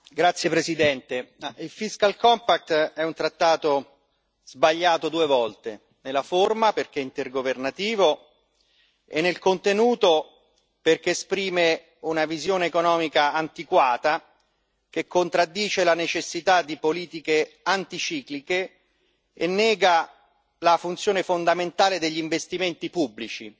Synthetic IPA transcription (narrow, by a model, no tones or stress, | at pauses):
ɡɾat̪sːjepɾezid̪ɛnt̪eilfiskalkɔmpak̚t̪ɛunt̪ɾat̪ːaːt̪o | z̥baʎːaːt̪od̪uːevɔlt̪e | nelaformaperk̟eint̪erɡovernat̪iːvo | enːelkont̪enuːt̪o | perk̟eːspɾiːme | unavizjoːneːkonɔːmikaant̪ikwaːt̪a | kekʰːont̪ɾad̪ːiːt͡ʃelanet͡ʃesːit̪ad̪ːipoliːt̪ikeant̪it͡ʃiːklike | ḛnːɛːɡa | lafunt̪sjoːnefond̪ament̪aːled̪eʎːiɱvest̪iment̪ipubːlit͡ʃi